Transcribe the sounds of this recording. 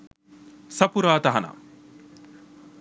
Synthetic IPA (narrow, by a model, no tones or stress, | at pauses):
sɐpuɾaːt̪ɐɦɐna̰